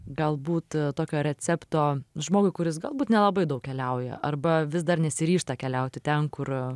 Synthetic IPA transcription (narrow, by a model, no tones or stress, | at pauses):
ɡɐlˠbuːt̪t̪oːkʲoːɾʲɛt͡s̪ʲɛpt̪oːʒmoːɡʊɪkʊɾʲɪs̬ɡɐlˠbuːt̪nʲɛlˠɐbɐɪd̪ɐʊkkʲɛlʲɛʊjɛ̰ʔɐrbɐʋʲɪsd̪ɐrnʲɛsʲɪɾʲiːʃt̪ɐkʲɛlʲɛʊt̪ʲɪt̪ʲɛnkʊr